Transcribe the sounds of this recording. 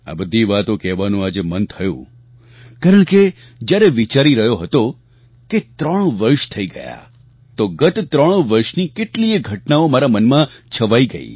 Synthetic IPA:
a̰bəd̪ʱiʋat̪okɛʋanũad͡ʒemənt̪ʰəjṵ̃ | kaɾəɳ̃ke | d͡ʒjaɾeʋit͡ʃaɾiɾəɦjoɦət̪o | ket̪ɾəɽ̃ʋəɾʃt̪ʰəiɡə̰ja̰ | t̪oɡət̪t̪ɾəɽ̃ʋəɾʃnikeʈlieɡʱəʈnaomaɾamənmãt͡ʃʰəʋaiɡəḭ

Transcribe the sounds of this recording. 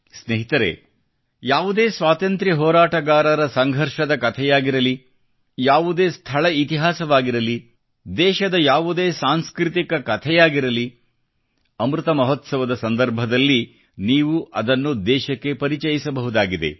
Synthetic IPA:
sneɦit̪ɐɾḛ | jaːʋud̪eːsʋaːt̪ɐnt̪ɾiɦɔːɾaːʈɐɡaːɾɐɾɐsɐŋɡʱɐɾʃɐd̪ɐkɐt̪ʰɛjaːɡiɾɐli | jaːʋud̪eːst̪ʰɐɭɐit̪iɦaːsɐʋaːɡiɾɐli | d̪ɛːʃɐd̪ɐjaːʋud̪eːsaːnskɾit̪ikɐkɐt̪ʰɛjaːɡiɾɐli | ɐmɾut̪ɐmɐɦɔt̪sɐʋɐd̪ɐsɐnd̪ɐɾbʱɐd̪ɐlːi | niːʋuʔɐd̪ɐnːud̪ɛːʃɐkːe̞pɐɾit͡ʃɐjisɐbɐɦud̪aːɡid̪e̞̰

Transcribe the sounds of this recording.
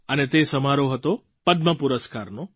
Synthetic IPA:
ənet̪esəmaɾoɦət̪o | pəd̪mãpuɾəskaɾno

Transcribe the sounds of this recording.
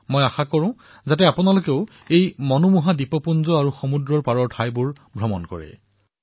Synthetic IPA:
mojaxakɔɹʊ̃ | zat̬ɛapunalokeʊ | ejmɔnɔmuɦadipɔpunzɔaɹuxɔmudɹɔɹpaɹɔɹtʰajbʊɹ | bʱɹɔmɔnkɔ̰ɹɛ̰

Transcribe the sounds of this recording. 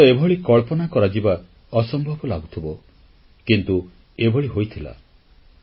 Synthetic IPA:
ɔebʱɔɭikɔɭpɔnakɔɾad͡ʒiba | ɔsɔmbʱɔbɔlaɡut̪ʰibɔ | kint̪u | ebʱɔɭiɦojt̪ʰila̰

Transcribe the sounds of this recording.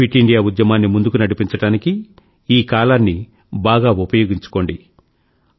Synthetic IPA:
iʈiɳɖijaːud̪jɐmaːnːimund̪ukunɐɽipiɲt͡ʃɐɽaːniki | iːkaːlaːnːi | baːɡaːupɐjoːɡiɲt͡ʃu̥ko̞ːɳɖi

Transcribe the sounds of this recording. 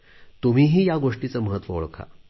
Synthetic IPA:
t̪um̤iːɦiːjaɡoʂʈit͡səːməɦət̪ʋəoɭkʰa̰

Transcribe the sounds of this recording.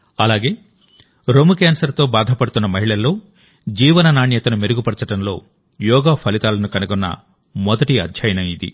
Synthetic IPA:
ɐlaːɡe̞ː | ɾomukaːnsɐɾt̪oːbaːd̪ʱɐpɐɽut̪unːɐmɐɦiɭɐlːo̞ː | d͡ʒiːʋɐnɐnaːɳjɐt̪ɐnumeɾuɡupɐɽt͡ʃɐʈɐmlo̞ː | jɔːɡaːpʰɐlit̪aːlɐnukɐnuɡɔnːɐ̰ | mɔd̪ɐʈiɐ̰d̪ʱjɐjɐnɐmid̪ḭ

